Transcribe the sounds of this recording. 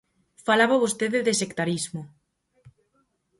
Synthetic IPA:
falaβaβost̪eðeðesekt̪aɾizmo

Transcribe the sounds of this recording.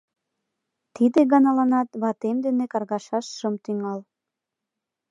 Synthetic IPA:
t̪id̪eɣɑnɑlɑnɑt̪βɑt̪emd̪enekɑrɣɑʃɑʃʃəmt̪yŋɑl

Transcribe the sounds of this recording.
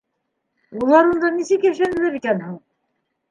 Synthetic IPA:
bulˠɑɾund̪ɑnisɘkjæʃlænɘ̆læɾβit̪ænhuɴ

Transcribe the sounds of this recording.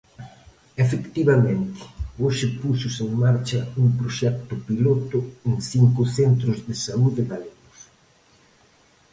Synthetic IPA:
efekt̪iβɐmẽnt̪ɪ̥oʃɪpusʊseŋmaɾt͡ʃɐuŋpɾoʃɛk̚t̪ʊpilot̪ʊeŋθiŋkʊθent̪ɾʊzðɪsauðɪɣaleɣʊs

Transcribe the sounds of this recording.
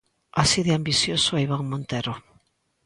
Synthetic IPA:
asiðɪambiθjosʊɛiβaŋmõnt̪eɾo

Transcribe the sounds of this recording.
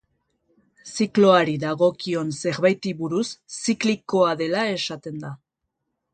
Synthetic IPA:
siklo̞aɾiðaɣo̞kio̞nse̞ɾβajt̪iβuɾusːikliko̞aðe̞lae̞sat̪e̞nd̪a

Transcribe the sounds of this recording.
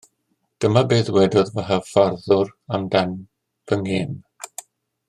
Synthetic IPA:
d̥əmabeːðwɛdɔðvaɦafarðʊramdan | v̥əŋeːn

